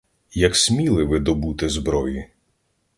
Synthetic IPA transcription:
jɐksʲmʲilˠɪʋɪd̪ɔbut̪ɪzbɾɔji

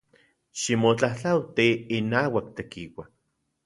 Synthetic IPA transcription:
ʃimot͡ɬaht͡ɬawt̪iːnaːwakt̪ekiwa

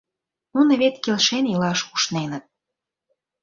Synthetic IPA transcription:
nunə̆βet̪kelʃenjɤlɑʃuʃnenət̪̚

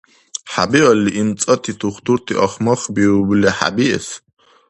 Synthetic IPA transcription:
ħa̰biɔliʔimt͡sʼɐt̪ʰit̪ʰuχt̪ʰuɾt̪ʰḭʔɐχmɔχbiublɛħa̰biɛs

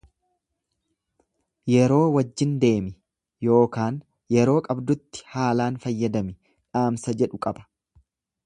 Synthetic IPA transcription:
jɛɾo̞ːwɐd͡ʒːɪnd̪e̞ːmɪ | jo̞ːkaːn | jɛɾo̞ːkʼɐbd̪ʊt̪ːɪ̥haːlaːnfɐjːɐd̪ɐmɪ | ᶑaːmsɐd͡ʒɛᶑʊkʼɐbɐ̥

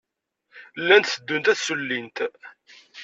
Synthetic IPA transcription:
lːænt̪θəd̪ːunt̪æθsulːint̪

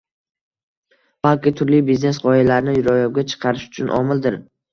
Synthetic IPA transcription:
b̥alˠkʲɪt̪ʰʊɾlibizne̞sʁɒjalaɾnɪjʊɾɒjɒwɡʲat͡ʃʰɨ̥qʰɑɾɪʃʊ̥t͡ʃʰʊnʔɒ̰mɪlˠd̪ɪɾ

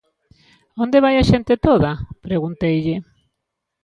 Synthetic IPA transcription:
ond̪eβ̞ajaʃent̪et̪oðapɾeɣunt̪ejʎɪ

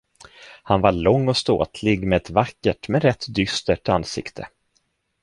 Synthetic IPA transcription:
hanvaɭɔŋːɔst̪o̰ːt̪ʰlɪɡmɛɛt̪vakːəʈmɛɾɛt̪ʰːd̪ʏst̪əʈanːsɪ̰kt̪ʰə̰

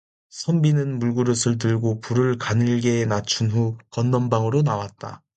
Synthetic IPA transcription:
sʰʌmbinɯnmuɭɡuɾɯsʰɯɭt̬ɯɭɡopuɾɯɭkanɯɭɡe̞nat͡ɕʰunɸukʌnːʌmbaŋɯɾonawat̚t͈a̰

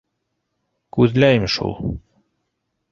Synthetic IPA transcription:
kʉðlæjmʃṵlˠ

